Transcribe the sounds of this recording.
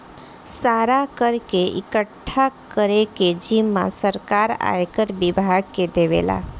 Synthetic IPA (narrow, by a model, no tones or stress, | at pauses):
saːɾakəɾkeɪ̰kəʈʰːakəɾeked͡ʒimːã̰səɾkaːɾa̰ːekəɾbɪbʱaːɡ̚ked̪eːʋḛːla̰ː